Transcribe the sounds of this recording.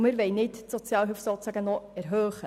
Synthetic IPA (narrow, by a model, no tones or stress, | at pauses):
mɪɾʋɛjnɪtsɔt͡sjɑːlɦyfsoːt͡sæɡənɔɛɾɦœːχə